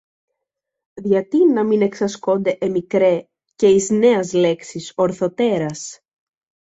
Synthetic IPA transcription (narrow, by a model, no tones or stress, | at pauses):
ðʝɐt̪inɐmine̞ksɐsko̞nd̪e̞ʔemikɾe | ce̞izne̞ɐzle̞ksiso̞ɾθo̞t̪e̞ɾɐs